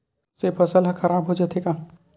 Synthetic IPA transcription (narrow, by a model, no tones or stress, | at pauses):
sepʰɐsəlɦkʰɐɾaːbɦod͡ʒat̪ʰekaː